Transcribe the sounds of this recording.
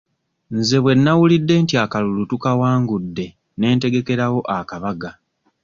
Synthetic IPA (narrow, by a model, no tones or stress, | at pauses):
nze̞βwe̞nːawulidːe̞ːntiakalulutukawaːŋɡudːe̞ | ne̞ːnte̞ɡe̞ke̞ɾawo̞ʔakaβaɡa